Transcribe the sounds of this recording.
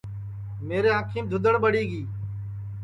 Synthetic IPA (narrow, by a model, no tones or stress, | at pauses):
meːɾeːãːkʰiːmd̪ʱʊd̪əɽɓəɽiːɡiː